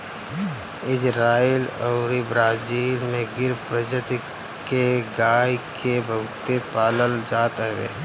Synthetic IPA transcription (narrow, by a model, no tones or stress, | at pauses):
ɪd͡ʒɾaːilɔːɾɪbɾaːd͡ʒiːlmẽɡɪɾpɾəd͡ʒət̪ | keɡaːjkebʱəwt̪epaːləld͡ʒaːt̪ɦḛː